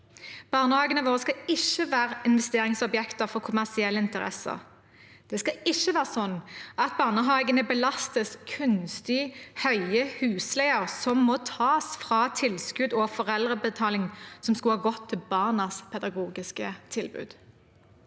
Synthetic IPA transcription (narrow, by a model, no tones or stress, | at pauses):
b̥ɑːʁnəhɑːɡənəʋoːʁəskɑɪʃəʋæːʁəɪnʋɛst̪eːʁɪŋsɔbjɛkt̪əfɔʁkʰʊmæʁsɪɛlːəɪnt̪əʁɛ̰sə̰ʁ | d̪̥ɛːskɑɪʃːəʋæːʁəsɔnːʔɑt̪̚bɑːʁnəɦɑːɡənəbəlɑst̪əskʰʉnst̪ɪhœʏəhʉːslæɪəʁsɔmːɔt̪ʰɑːsfʁɑːt̪ʰɪlskʉd̪ɔfɔʁɛld̪ʁəbət̪ʰɑːlɪŋsɔmskʉlhɑːɡɔt̪ʰːɪlbɑːʁnɑspʰɛd̪ɑɡuːɡɪskət̪ʰɪlbʉ̰ːd̪̥